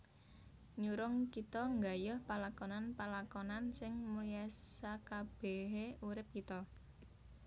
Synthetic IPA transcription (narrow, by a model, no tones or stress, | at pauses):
ɲuɾʊŋkit̪ɔŋɡa̤jʊhpalakɔnanpalakɔnansɪŋmuliasakab̥eɦeuɾɪp̚kit̪ɔ